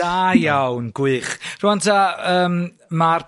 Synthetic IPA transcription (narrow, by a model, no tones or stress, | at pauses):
ajawnɡ̥wɨχruantʰaəːm | mar